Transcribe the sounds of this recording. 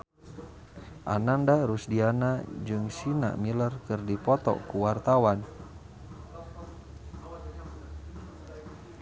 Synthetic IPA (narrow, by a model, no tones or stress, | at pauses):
ʔa̰nandaɾusdianad͡ʒɨŋsina̰milərkɨrdipɔt̪ɔ̰kuwart̪awan